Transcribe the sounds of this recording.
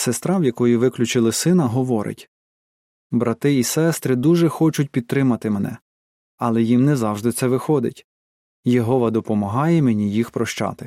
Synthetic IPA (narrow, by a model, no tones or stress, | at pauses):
sest̪ɾɑʋjɐkɔjiʋɪklʲʊt͡ʃɪlˠɪsɪnɐɦɔʋɔɾʔɪ̰tʲ | bɾʔɐt̪ɪisɛst̪ɾɪd̪uʒɛxɔt͡ʃʊt̚ʲpʲid̪̚t̪ɾɪmɐt̪ɪmenɛ̰ | ɐlˠɛjimnɛzɑwʒd̪ɪt̪sɛʋɪxɔd̪ɪ̰tʲ | jɔɦɔʋɐd̪ɔpɔmɐɦɑjɛmenʲijixpɾɔʃt͡ʃɑ̰t̪ɪ